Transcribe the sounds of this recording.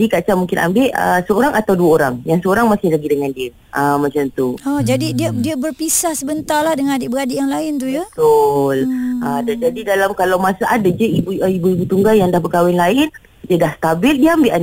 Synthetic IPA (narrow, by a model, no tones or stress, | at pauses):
dikat͡ʃamuŋkɪna̰mbɪʔə̰səoɾaŋʔat̪awduaoɾaŋjaŋsəoɾaŋmasɪhlaɡidəŋãndiə | ʔəmːat͡ʃamt̪uɔd͡ʒadidiadiabərpisahsəbənt̪alahdəŋãnadɪʔbəɾadɪʔjaŋlaɪnt̪ujət̪ʊlʔədad͡ʒadidalamkalawmasaʔadad͡ʒəibuibuibut̪uŋɡajaŋdahbəkawɪnlaɪn | diadahst̪abɪldiaambɪʔan